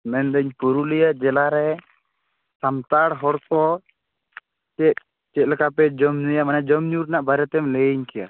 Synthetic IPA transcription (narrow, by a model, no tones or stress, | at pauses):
mɛnd̪əɲpuɾulɛjaʔd͡ʒɛlaɾɛ | samt̪aɽɦɔɽkɔ | t͡ʃɛt̪̚ | t͡ʃɛt̪̚lɛkapɛd͡ʒɔmɲujamanɛd͡ʒɔmɲuɾnaʔbaɾɛt̪ɛmlɛɲkɛja̰